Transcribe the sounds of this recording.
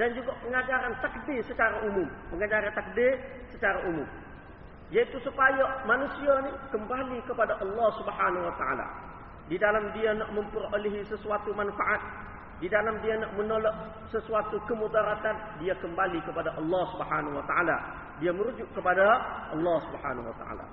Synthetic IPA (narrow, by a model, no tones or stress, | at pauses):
dand͡ʒuɡapəŋad͡ʒaɾant̪ak̚dɪrsət͡ʃaɾaumumpəŋad͡ʒaɾant̪ak̚dɪr | sət͡ʃaɾaʔumum | jait̪usupajamanusianikəmbalikəpadaʔɑlːɑhsubəħanawat̪aa̰la̰ | didalamdianaʔməmpəroliɦisəsuat̪umanfaʔat̪̚ | didalamdianaʔmənolɔʔ̚ | səsuat̪ukəmud̪aɾat̪an | diakəmbalikəpadaʔɑlːɑhsubəħanawat̪aʔa̰la̰ | diaməɾud͡ʒʊʔkəpadaʔɑlːɑhsubha̰nawa̰t̪a̰ʔa̰la̰